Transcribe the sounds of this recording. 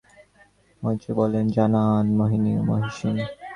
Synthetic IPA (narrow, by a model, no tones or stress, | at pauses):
mojt͡ɕebɔlend͡ʑananmoɦinio̰moɦiʃin